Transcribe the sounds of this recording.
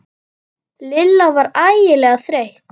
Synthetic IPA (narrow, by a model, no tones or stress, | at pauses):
lɪlːavaɾaːjɪlɛːɣaθɾejht